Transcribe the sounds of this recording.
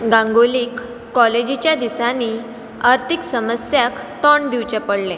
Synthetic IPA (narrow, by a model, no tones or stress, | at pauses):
ɡãŋɡoliːkː | ɔled͡ʑit͡ɕjad̪isani | əɾt̪ʰiksəməsjak | t̪ɔɳd̪iwt͡ɕapəɽle